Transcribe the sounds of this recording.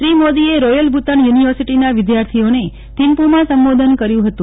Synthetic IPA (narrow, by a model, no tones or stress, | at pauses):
ʃɾimod̪ieɾojəlbʱut̪əɳjuniʋəɾsiʈinaʋɪd̪jaɾt̪ʰione | t̪impumãsəmbod̪ʱənkəɾjũɦət̪ũ